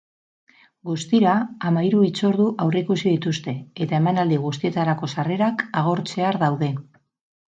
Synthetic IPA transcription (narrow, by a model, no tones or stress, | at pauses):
ɡust̪iɾaːmaiɾuit͡so̞ɾðuʔawrekusiðit̪ust̪e̞et̪ae̞manald̪iɣ̞ust̪ie̞t̪aɾako̞sare̞ɾakaɣ̞o̞ɾt͡se̞aɾðawðe̞